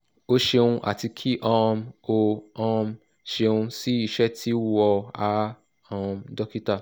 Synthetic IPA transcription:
o˦ʃe˧ũ˧ʔa̰˨ti˧kʰi˦ʔɔ˧mo˧ɔ̃˦˧m | ʃe˧ũ˧si˦i˧˨ʃɛ˦tʰi˦wɔ˧a˧˦ | ɔ̃˧mdɔ˦ki˦ta˦˨

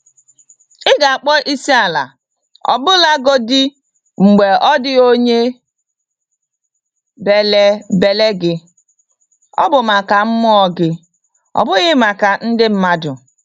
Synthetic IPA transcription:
ɪ˦ɡa˨a˨k͡pɔ˦ʔi˦si˦a˨la̰˨ | ɔ̰˨bʊ˦la˦ɡo˦dɪ˦ | ŋ͡m̩˨ɡ͡be˨ɔ˦dɪ˦o˦ɲe˦ | be˨le˦be˨le˦ɡɪ˦ | ɔ̰˦bʊ˨ma˨ka˨m̩˦mɔ˦ɔ˦ɡɪ˦ | ɔ̰˨bʊ˦ɣɪ˦ma˨ka˨n̩˦dɪ˦m̩˦ma˦dʊ˨

